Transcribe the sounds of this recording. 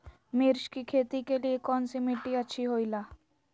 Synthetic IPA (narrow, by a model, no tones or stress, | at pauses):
miɾʃkikʰet̪ikelijekɔnsimiʈːiət͡ɕʰiɦojla